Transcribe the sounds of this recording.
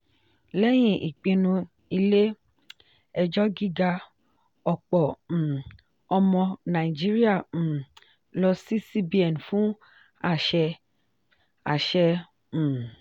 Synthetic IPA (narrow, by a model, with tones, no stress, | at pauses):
lɛ˦j̃ĩ˦ʔḭ˨k͡pĩ˧nũ˧ | i˧le˦ | ɛ˧d͡ʒɔ˦ɡi˦ɡa˧ | ɔ˨k͡pɔ̃˨ | ɔ˧mɔ̃˧nã˨i˨d͡ʒi˦ɾi˦ã˦˨ | lɔ˧si˦si˦bi˦ɛ˨n˨fũ˦ | a˦˨ʃɛ˧ | a˨ʃɛ̃˧˨